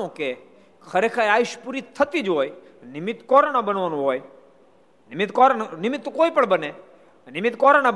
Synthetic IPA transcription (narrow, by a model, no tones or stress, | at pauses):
õke | kʰəɾekʰaːjaːɪʃpuːɾit̪ʰət̪id͡ʒɦoːjnɪmɪt̪kɔːɾnabənʋanũɦoːj | nɪmɪt̪kɔɾnɪmɪt̪ːkoːipəɳbəne | nɪmɪt̪kɔɾana